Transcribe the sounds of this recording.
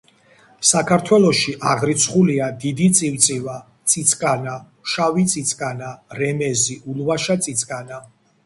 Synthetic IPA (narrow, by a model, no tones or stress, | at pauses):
sakʰaɾt̪ʰwɛlˠɔʃiʔaʁɾit̪sʰχuliad̪id̪it̪sʼiwt̪sʼiva | t̪sʼit̪sʼkʼana | ʃavit̪sʼit̪sʼkʼanaɾɛmɛziulˠvaʃat̪sʼit̪sʼkʼana